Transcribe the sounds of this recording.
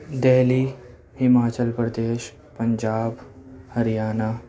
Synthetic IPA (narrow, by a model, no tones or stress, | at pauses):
d̪eːli | hɪmaːt͡ʃəlpɾəd̪eːʃ | pɐɲd͡ʒaːbhəɾjaːna